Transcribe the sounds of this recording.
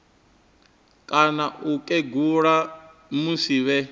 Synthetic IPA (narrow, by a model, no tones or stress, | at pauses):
kʼanaʔukʼɛɡuɺa | musiβɛ